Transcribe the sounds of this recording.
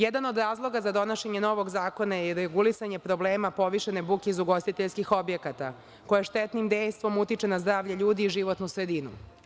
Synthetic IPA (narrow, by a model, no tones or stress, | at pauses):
jɛd̪ano̞d̪ɾaːzlˠo̞ɡazad̪o̞naʃeɲe̞no̞ʋo̞ɡzaːko̞najeiɾeɡulisaɲe̞pɾo̞ble̞ːmapo̞ʋiʃene̞bukʲeizuɡo̞st̪it̪eʎskixo̞bjekat̪a̰ | ko̞jeʃt̪et̪nimd̪e̞jst̪ʋo̞mut̪it͡ʂenazd̪ɾaːʋʎeʎuːd̪iːʒiʋot̪nusɾed̪inṵ